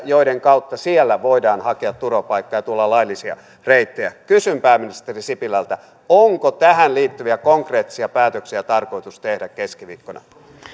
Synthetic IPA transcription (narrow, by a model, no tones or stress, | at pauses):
joideŋkɑut̪ːɑsielːæʋoidɑːnhɑkeɑt̪t̪uropɑikːɑjɑt̪uolːɑlɑilːisiɑ̰ | reit̪ːejæ̰kysympæːminist̪erisipilælt̪æ | oŋkot̪æhænliːt̪ːyʋiækoŋkreːt̪ːi̥siɑpæːt̪øksiæt̪ɑrko̞it̪ust̪ehdækkːeskiʋḭːkːonɑ̰